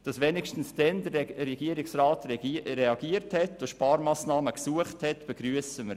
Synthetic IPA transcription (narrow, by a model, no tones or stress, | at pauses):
d̥ɑsʋenɪkʃtən̩sd̥ɛndəɾɾɛɡ̥iəɾɪksɾɑːtɾɛɑɡ̥iəɾthɛtoʃpɑːɾmɑːsnɑːməksuəχthɛtb̥ɛɡ̥ɾyəsəməɾ